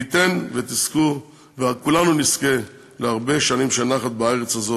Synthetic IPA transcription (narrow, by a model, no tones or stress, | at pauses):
it̪e̞nvet̪isku | veakulanuniske̞ | leaʁbe̞ʃanimʃenaχat̪̚baeʁet͡shazo